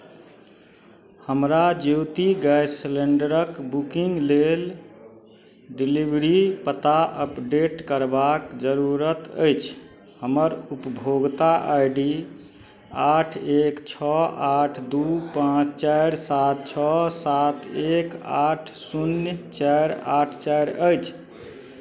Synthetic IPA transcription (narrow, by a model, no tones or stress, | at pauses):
həmɾad͡ʒiwt̪iɡajsleɳɖəɾəkbukiŋɡlel | ɖilibɾipət̪aəpɖeʈkəɾbakd͡ʒəɾuɾət̪ə̰jt͡ʃʰ | həməɾupəbʱoɡt̪aʔajɖi | aʈʰekt͡ʃʰɔaʈʰd̪upãt͡ʃʰt͡ʃajɾsat̪̚t͡ʃʰɔsat̪ekaʈʰsunjt͡ʃaɾaʈʰt͡ʃajɾəjt͡ʃʰ